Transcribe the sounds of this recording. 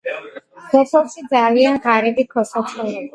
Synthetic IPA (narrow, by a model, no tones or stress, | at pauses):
kʰɔsɔlʃid̪zalianʁaɾid̪ikʰɔsat͡ʃ̪ʰɔlɛ